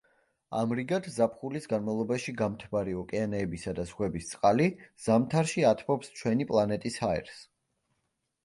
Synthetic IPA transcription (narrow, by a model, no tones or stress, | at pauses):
a̰mɾiɡad̪zapʰχulisɡanmavlˠɔbaʃiɡamt̪ʰbaɾiɔkʼɛanɛːbisad̪azʁwɛbist̪sʼqʼaliz̥amt̪ʰaɾʃiat̪ʰbɔpst͡ʃʰwɛnipʼlˠanɛt̪ʼishaɛ̰ɾs